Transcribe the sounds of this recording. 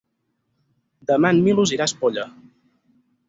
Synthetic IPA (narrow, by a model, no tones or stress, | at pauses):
d̪əmanmiluziɾaspoʎə